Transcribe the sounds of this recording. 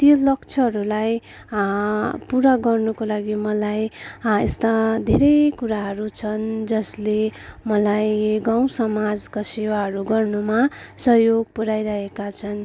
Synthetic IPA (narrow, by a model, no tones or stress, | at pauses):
t̪jolʌkt͡sʰʌɦʌɾulaj | puɾaɡʌrnukolaɡimʌlajḛst̪ad̪ʱeɾʌjkuɾaɦʌɾut͡sʰʌnd͡zʌslemʌlajɡaw̃sʌmad͡zkasewaɦʌɾuɡʌrnumasʌɦjoɡ̚puɾajɾʌɦekat͡sʰʌn